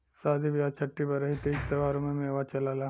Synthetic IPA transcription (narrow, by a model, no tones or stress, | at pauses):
saːd̪ʱiʋjaːt͡ʃʰɐʈːipɐɾɐɦit̪ed͡ʒt̪ɐʋaːɾõmẽmeːʋat͡ʃɐlaːla